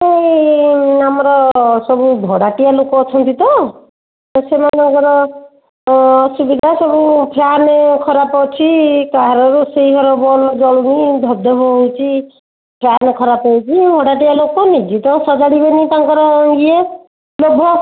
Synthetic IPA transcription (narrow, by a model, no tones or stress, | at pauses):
ej | amɔɾɔsɔbubʱɔɽaʈijalokɔːt͡ʃʰɔnt̪it̪ɔ | ɔsemanaŋkɔɾɔ | subid̪ʱasɔbupʰanekʰɔɾapɔwt͡ʃʰikaɦaɾɔɾusejɦɔɾɔbɔlɔd͡ʒɔɭunid̪ʱɔb̚d̪ʱɔbɔɦowt͡ʃʰi | pʰanekʰɔɾapɔwt͡ʃʰibʱɔɽaʈijalokɔnid͡ʒit̪ɔsɔd͡ʒaɽibenit̪aŋkɔɾɔŋɡie | lobʱɔ